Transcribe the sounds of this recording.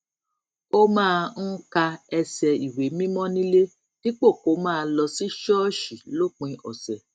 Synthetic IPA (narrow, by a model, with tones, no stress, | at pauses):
o˦mãː˦˧n̩˦ka˧ɛ˧sɛ˧i˨we˨˦mĩ˦mɔ̃˦nĩ˦le˦ | nĩ˦k͡po˦˨ko˨˦mãː˦˧lɔ˧si˦ʃɔ˦˨ʃi˨lo˦˨k͡pĩ˧ʔɔ˨sɛ˨